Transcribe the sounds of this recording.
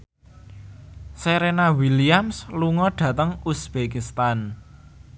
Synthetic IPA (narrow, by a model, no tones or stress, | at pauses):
seɾenawiliamsluŋɔɖ̥ä̤t̪əŋusb̥ekist̪an